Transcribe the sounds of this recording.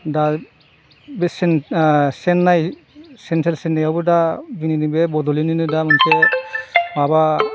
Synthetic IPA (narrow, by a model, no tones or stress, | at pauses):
da | besnsɛnːaj | sɛntʰelsɛnːajawbɯdabininibebɔdɔlininɯdamɯnsʰe | baba